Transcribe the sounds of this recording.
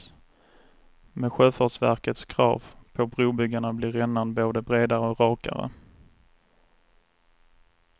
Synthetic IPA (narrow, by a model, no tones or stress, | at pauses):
mɛɧøːfɑʈʂvæ̰ɾkət̪skʰɾɑ̰ːvpʰɔbɾuːbʏɡːaɳablɪːɾɛnːanboːd̪əbɾeːd̪aɾəɔɾɑːka̰ɾə̰